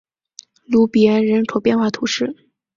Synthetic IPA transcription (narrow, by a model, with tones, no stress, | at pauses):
lu˧˥pi˩ɛ˧˥nɻə˧˥nʈ͡ʂʰo˨˥pjɛ˥˧nxwa˥˩t̪ʰu˧˥ʂɻ̩˥˩